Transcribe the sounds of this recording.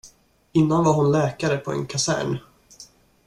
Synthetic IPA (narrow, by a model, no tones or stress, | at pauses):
ɪnːanvaɾɦʊnlɛːkaɾəpʰɔɛ̰nkʰasæ̰ːɳ